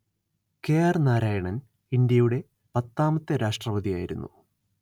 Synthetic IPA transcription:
ke̞ːjarnaːɾaːjɐɳɐn | ind̪jɐjuɽe̞ | pɐt̪ːaːmɐt̪ːɐɾaːʂʈrɐʋɐðijaːjiɾṵnːṵ

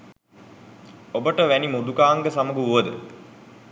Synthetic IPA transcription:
obəʈəʋænimod̪ukaːŋɡəsaməɡuuʋəd̪ə̰

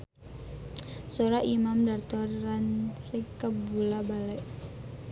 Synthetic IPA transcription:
soɾaʔimamdart̪ɔransikəbulabalɛʔ

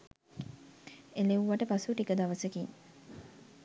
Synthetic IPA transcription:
eleʋuʋaʈəpasuʈikəd̪aʋəsekiŋ

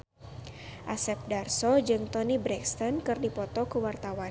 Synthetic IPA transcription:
ʔasɛp̚darsɔd͡ʒɨŋt̪ɔnibɾɛkst̪ankɨrdipɔt̪ɔkəwart̪awa

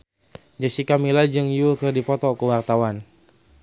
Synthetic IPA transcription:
d͡ʒasikamilad͡ʒɨŋjukɨrdipɔt̪ɔkəwart̪awan

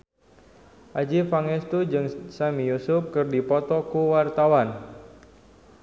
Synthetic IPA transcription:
ʔad͡ʒifaŋɛst̪ud͡ʒɨŋsamijusʊp̚kɨrdipɔt̪ɔkuwart̪awan

